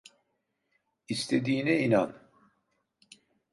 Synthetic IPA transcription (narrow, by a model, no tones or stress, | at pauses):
ist̪ʰed̪iːnɛinan